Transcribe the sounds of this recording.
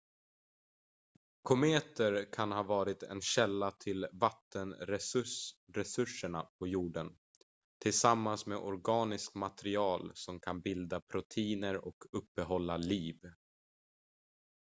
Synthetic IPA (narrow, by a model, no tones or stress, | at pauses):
kʰɔmeːt̪əɾkʰanhɑːvɑːɾɪt̪ʰɛ̰nɕɛlːat̪ʰɪlvat̪ːənɾɛsɾɛsɵʂːəɳapʰɔjuːɖən | t̪ʰɪlsamːansmeːʔɔɾɡɑːnɪskmat̪ɛɾɪɑːlsɔmkʰanbɪld̪apʰɾʊt̪ʰiːnəɾɔkɵpːbɛɦɔlːaliːv